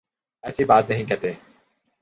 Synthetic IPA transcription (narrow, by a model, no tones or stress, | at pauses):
ɛːsibaːt̪nɐɦĩkɐɾt̪eː